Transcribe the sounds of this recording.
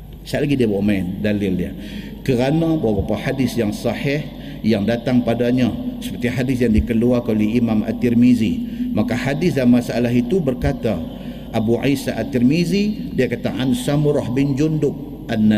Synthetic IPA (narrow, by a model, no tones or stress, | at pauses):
saʔlaɡidiabawʔmaɪndalɪlja̰ | kəɾanabawabapahadɪsjaŋsɑħɪh | jaŋdat̪aŋpadaɲasə̥pərt̪iɦadɪsjaŋdikəluarkəoliimama̰t̪ːirmizimakahadɪsdanmasaalaɦit̪ubərkat̪a | ʔabuʕisaʔat̪ːirmizidiakat̪aʔansamɾɔhbɪnd͡ʒundʊk̚ | ʔanːa